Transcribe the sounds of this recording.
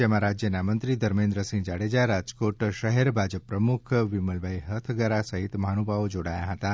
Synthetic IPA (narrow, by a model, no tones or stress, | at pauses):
emãɾad͡ʒjənamənt̪ɾid̪əɾmẽnd̪ɾəsĩŋɡd͡ʒaɽed͡ʒaɾad͡ʒkoʈʃəɦeɾbʱad͡ʒəpːɾəmukʰʋiməlbʱaiɦət̪ʰɡəɾasəɦit̪manubʱaod͡ʒoɽajaɦət̪a